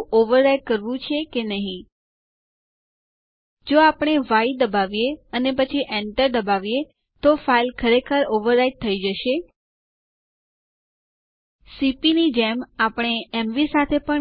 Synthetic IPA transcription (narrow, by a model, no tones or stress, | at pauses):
oʋəɾːaiʈ̚kəɾʋũt͡ʃʰekenəɦĩ | d͡ʒoapəɽ̃eʋaid̪əbaʋijeənepət͡ʃʰiʔɛɳʈəɾd̪əbaʋije | t̪ofailkʰəɾekʰəɾoʋəɾːaiɖ̚t̪ʰəid͡ʒəʃe | sipinid͡ʒɛmapəɳ̃eɛmʋisat̪ʰepəɳ